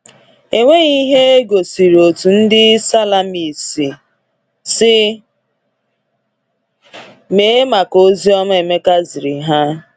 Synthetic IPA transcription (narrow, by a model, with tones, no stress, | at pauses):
e˨ŋʷe˦ɣi˦ɦe˦e˦ɡo˨si˨ɾo˨tu˨n̩˦dɪ˦sa˦la˨mi˨si˨ | sɪ˦ | me˨˦e˦ma˨ko˦zi˦ɔ˦ma˦e˨me˦ka˦zi˨ɾi˨ɦa˦